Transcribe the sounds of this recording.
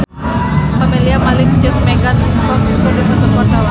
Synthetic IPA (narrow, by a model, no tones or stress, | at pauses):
familiamalɪŋd͡ʒɨŋmeɡanfɔkskəbit̪ət̪ənwart̪awa